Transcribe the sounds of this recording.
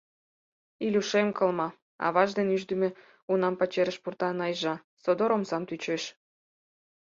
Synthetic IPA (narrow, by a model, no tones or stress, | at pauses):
ilʲuʃemkɤlmɑ | ɑ̰βɑʒd̪enyʒd̪əme | unɑmpɑt͡ɕeɾə̆ʃpurt̪ɑnɑjʒɑ | sod̪oɾomsɑmt̪yt͡ɕeʃ